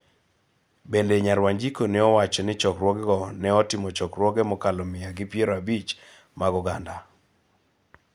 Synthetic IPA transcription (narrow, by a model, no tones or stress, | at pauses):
bendeɲaɾwaɲd͡ʒikonɪɔwat͡ʃɔnɪt͡ʃɔkɾwɔɡɛɡɔnɛɔtɪmɔt͡ʃɔkrwɔɡɛmɔkalɔmɪjaɡɪpjeɾɔabit͡ʃ | maɡɔɡanda